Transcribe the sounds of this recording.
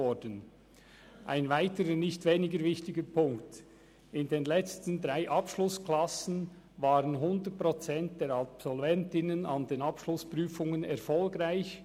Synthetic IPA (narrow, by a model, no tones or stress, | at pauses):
ɔd̥ən | ʔaɪnvaɪtəɾənɪçtveːnɪɡəɾvɪçtɪɡəpʰʊŋkt | ɪndeːnlɛt͡stn̩dʁaɪʔɑpʃlʊskʰlɑsn̩ | vaːʁənɦʊndət̚pʁot͡sɛnt̚d̥eːɾɑpsɔlvɛntɪnənɑndeːnɑpʃlʊspʁyːfʊŋənɛʁfɔlɡʁaɪç